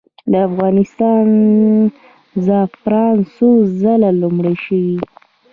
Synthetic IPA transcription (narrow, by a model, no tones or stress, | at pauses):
d̪əafɣɑnɪst̪ɑn | zafɾɑnsozəlalumɽaʃəwi